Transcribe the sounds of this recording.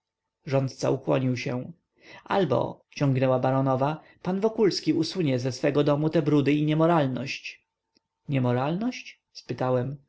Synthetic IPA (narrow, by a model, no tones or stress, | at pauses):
ʐɔnt̪̚t̪sa̰ukwɔɲiwɕɛ̃ | a̰lbɔ̰ | t͡ɕɔŋɡnɛwabaɾɔnɔva | panvɔkulskʲiusuɲɛzɛsfɛɡɔd̪ɔmut̪ɛbɾud̪ɘiɲɛmɔɾalnɔɕt͡ɕ | ɲɛmɔɾalnɔɕt͡ɕ | spɘt̪awɛm